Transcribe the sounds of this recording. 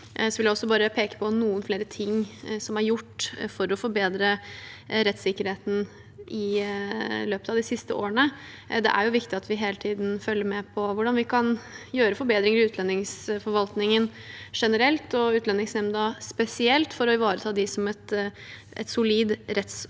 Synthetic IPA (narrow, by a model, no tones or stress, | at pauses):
sɔʋɪljæɔsːɔbɑːɾəpʰeːkə̥pʰɔnuːənfleːɾət̪ʰɪŋːsɔmæɾjʊʈːfɔɾɔfɔɾbeːd̪ɾə | ɾɛt̪sɪkːəɾheːt̪n̩ | ʔɪ | løːpət̪ɑʋd̪ɪsɪst̪əo̰ːəɳə | d̪ɛ̰ʔæ̰ɾjʊʋɪkt̪ɪɑt̪ʋɪɦeːlət̪ʰiːd̪n̩fœlːəɾmɛpʰɔʋʊɖɑnʋɪkʰɑnjøːɾəfɔɾbeːd̪ɾɪŋəɾɪʉːt̪lɛnːɪŋsfɔɾʋɑlt̪nɪŋənʂɛnəɾɛlt̪ɔʉːt̪lɛnːɪŋsnɛmnəd̪ɑspɛsɪɛlt̪fɔɾɔɪʋɑːɾət̪ʰɑːd̪ɪsɔmɛt̪ | ʔɛ̰t̪sʊliːd̪ɾɛt̪s